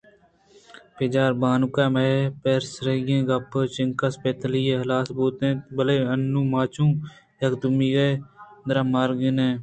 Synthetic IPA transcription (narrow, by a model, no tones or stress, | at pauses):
ped͡ʒaːɾbaːnukaːmepeːɾsɾeɡẽːɡɐpt͡ʃɪŋkaspet̪əliːeɦlaːsbuːt̪ẽːbəleːənːũːmaːt͡ʃũː | jɐkd̪ʊmiːɡeːd̪ɾamaːɾɡɪnẽː